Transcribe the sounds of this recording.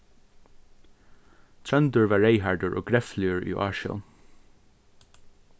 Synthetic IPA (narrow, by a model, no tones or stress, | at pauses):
t̪ʰɹœnd̪əɹʋɑːɹeɪɦɑɹɖəɹʔo̰ːɡɹɛflɪəɹʔḭːʔɑ̰ːɹʃə̰l